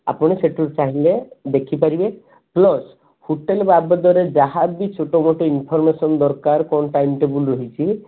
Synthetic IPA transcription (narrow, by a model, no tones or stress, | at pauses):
a̰pɔɽ̃eseʈuʈt͡ʃaɦiled̪ekʰipaɾibe | plɔs | huʈelbabɔd̪ɔɾed͡ʒaɦabit͡ʃʰoʈɔmoʈɔinpʰɔɾmesɔnd̪ɔɾkaɾkɔnʈajmʈebulɾɔɦit͡ʃʰi